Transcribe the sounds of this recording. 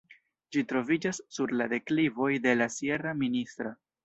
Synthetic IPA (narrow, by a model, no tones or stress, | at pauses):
d͡ʒitɾo̞vid͡ʒasːuɾlade̞klivo̞jde̞lasjeɾaministɾo